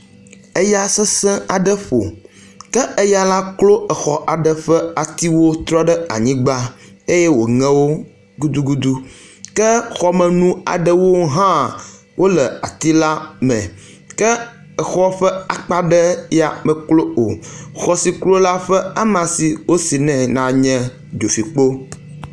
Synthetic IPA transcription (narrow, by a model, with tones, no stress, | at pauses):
ɛ˦ja˦sɛ˦sɛ̃˦a˨ɖə˦ɸo̰˨ | kɛ˦ə˦ja˦la˦klo˦ə˨xɔ˨ʔa˨ɖə˦ɸɛ˦a˨t̪i˦wo˦t̪ɾɔ˦ɖə˦a̰˨ɲĩ˦ɡ͡ba˦ | e˦jɛ˦wo˨ŋɛ̃˦wo˦ | ɡu˦d̪u˦ɡu˦d̪u˦kɛ˦xɔ˨mɛ̃˨nũ˦a̰˨ɖə˦wo˦ɦã˦ | wʔo˦lɛ˨a̰˨t̪i˦la˦mɛ̰̃˨ | kɛ˦ | ɛ˨xɔ˦ɸɛ˦a˨k͡pa˦ɖɛ˦ja˨mɛ˨klo˦o˨xɔ˨si˨klo˦la˦ɸɛ˦a˦mã˨si˨wo˦si˨nɛ̃˨nã˨ɲɛ̃˦ | d͡ʒo˨fi˨k͡po˦